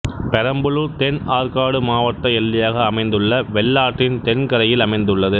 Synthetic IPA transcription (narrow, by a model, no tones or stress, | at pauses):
pɛɾɐmbɯɭɯt̪ɛnaːɾkaːɽɯmaːʋɐʈ̪ːɐɛlːɪjaːɣɐːmɐɪnd̪ɯɭːɐʋɛlːaːʈrɪnt̪ɛnkɐɾɐjɪlɐmɐɪnd̪ɯɭːɐðɯ